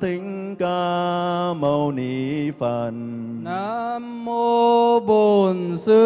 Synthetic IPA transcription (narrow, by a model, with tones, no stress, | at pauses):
t̪ʰi˧˦ŋ | kaː˧ | mə˧˩wni˨˩˦fə˧˩n | naː˧˦mːo˧bo˨˩nsɨ˧˦